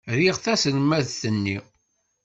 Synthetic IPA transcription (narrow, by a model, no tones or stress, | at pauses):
ɾiʁθæsləmːæðθənːi